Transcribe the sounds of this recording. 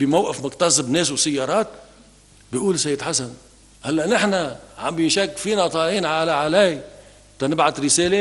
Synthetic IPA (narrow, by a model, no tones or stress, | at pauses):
bɪmawʔɪfmʊkt̪ɑsˤɪbneːs̬wsajːɑːɾˤɑːt̪̚ | bɪʔuːlsajːd̪ħasan | halːaʔnɪħnaʕambjɪnʃakːfiːnat̪ˤɑːliːnʕalaʕalaj | t̪anɪbʕad̪ɾɪseːle